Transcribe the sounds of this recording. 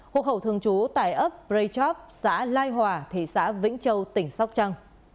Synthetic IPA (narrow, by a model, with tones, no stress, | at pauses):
ho̰˧˨khə˧˩wt̪ɨ˧˩əŋt͡ɕu˨˦t̪a̰ː˧˨jʔə˦˥p̚zə˧jt͡ɕɔ˦˥p̚sa̰ː˧˥laː˧jɦwaː˨˩t̪ʰi˧˩sa̰ː˧˥vḭ˧˥ŋ̟t͡ɕə˧wt̪ï˧˩ŋ̟sa˦˥wk͡p̚t͡ɕa˧ŋ